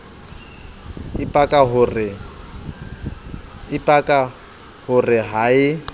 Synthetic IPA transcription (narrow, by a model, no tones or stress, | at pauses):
ɪpʼakʼaɦʊrɪ | ɪpʼakʼa | hʊrɪɦaɪ